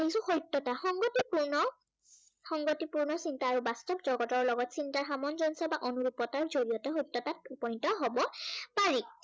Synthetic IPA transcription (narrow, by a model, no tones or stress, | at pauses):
eisʊxojtːɔtaxɔŋɡotipuɹnɔ | xɔŋɡotipuɹnɔsintaːɹubastɔpzɔɡɔtɔɹlɔɡɔtsintaɹxamɔnzɔnsɔbaʔonuɹupɔtaɹzoɹijɔtɛxojtːɔtatupɔj̃ntɔɦobɔpaɹi